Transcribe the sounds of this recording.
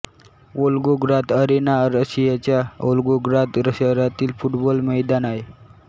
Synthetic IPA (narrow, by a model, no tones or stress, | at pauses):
olɡoɡɾat̪əɾenaɾəɕijat͡ɕjaolɡoɡɾat̪ɾəsaɾat̪iːlfuʈbɔlməjd̪anae